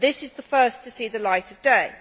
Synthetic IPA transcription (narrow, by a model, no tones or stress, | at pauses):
ðɪsɨzðəfɜˑstʰɨsiðəlaɪɾʌvdeɪ